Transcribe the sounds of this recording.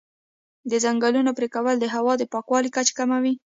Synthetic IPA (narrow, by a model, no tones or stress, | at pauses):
d̪əzaŋɡalunopɾekawəld̪əɦawɑd̪əpɑkwɑlikat͡ʃkamawi